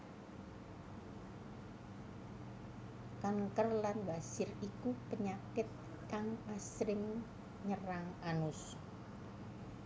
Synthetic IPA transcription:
kaŋkərlanbasɪrikupəɲakɪt̪̚ | kaŋasɾɪŋ | ɲəɾaŋʔanʊs

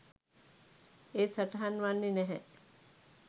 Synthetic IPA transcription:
eːsaʈɐɦanʋanːinɛɦɛ

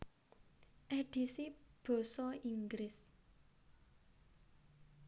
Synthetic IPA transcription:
ʔeɖ̥i̤sib̥ɔ̤sɔiŋɡɾɪs

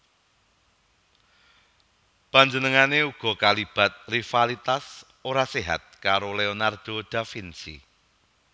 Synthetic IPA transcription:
paɲd͡ʒənəŋaneuɡ̥ɔ̤kalib̥a̤t̪̚rifalit̪as | oɾaseɦa̰t̪̚kaɾoleonard̪̥od̪̥a̤finsḭ

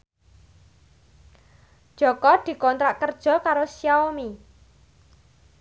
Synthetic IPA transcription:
d̥ʒ̥ɔ̤kɔd̪̥i̤kɔnt̪ɾaʔkərd̥ʒ̥ɔ̤kaɾosijaomi

